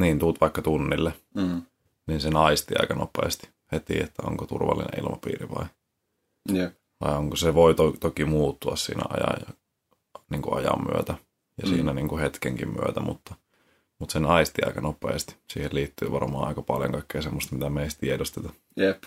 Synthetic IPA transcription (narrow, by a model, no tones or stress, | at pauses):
niːnt̪uːt̪ʋɑikːɑt̪unːilːe | niːnsenɑist̪iɑ̰ikɑnopˑḛːst̪i̥ | het̪ḭet̪ːæo̰ŋkot̪urʋɑ̰lːḭnḛ̃ʔḭlmɑpḭːɾiʋɑ̰i | ʋɑioŋkoseʋoit̪ot̪okimuːt̪ːuɑssḭːnæ̰ɑjɑ̰jɑ | niːŋkuɑjɑ̰mːyøt̪æ | jɑsḭːnæniːŋkuhet̪keŋkimmy̰øt̪æmṵt̪ːɑ | mut̪senɑist̪iɑ̰ikɑnopˑḛːst̪i̥siːhelliːt̪ːyːʋɑrmɑːɑˑikɑpɑljo̰ŋkɑikːeːsemːost̪mit̪æmeist̪iedost̪et̪ɑ | jep